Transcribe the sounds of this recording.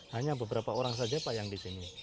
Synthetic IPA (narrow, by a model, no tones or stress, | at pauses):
haɲabəbəɾapaoɾaŋsad͡ʒapajaŋdisini